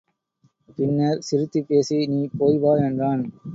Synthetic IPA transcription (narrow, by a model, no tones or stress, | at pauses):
pɪnːɐɾsɪɾɯt̪ːipːeːsiniːpoːjʋaːɛndraːn